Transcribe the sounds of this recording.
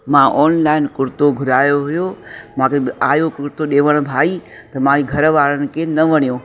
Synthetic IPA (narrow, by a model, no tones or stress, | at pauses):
mãʔɔːnlaːɪnkʊɾt̪oɡʱʊɾaːjoɦʊjomãːkeaːjokʊɾt̪oɗeːʋəɽ̃bʱaːi | t̪ɐmãːiɡʱɐɾʋaːɾənɪ̆kʰenɐʋɐɽ̃ijõː